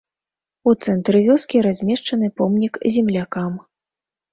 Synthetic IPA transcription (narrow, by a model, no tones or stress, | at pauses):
ut̪sɛnt̪ɾɨvʲɔskʲiɾazʲmʲɛʂt͡ʂɐnɨpɔmnʲikzʲɛmlʲakam